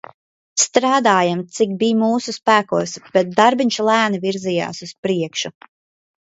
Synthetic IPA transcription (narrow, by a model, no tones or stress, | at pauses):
st̪ɾaːd̪aːjamt̪sik̚bijmuːsuspæːkuɔsb̥ɛt̪̚d̪aɾbiɲʲʃulˠæːniviɾzija̰ːsuspɾiɛkʃu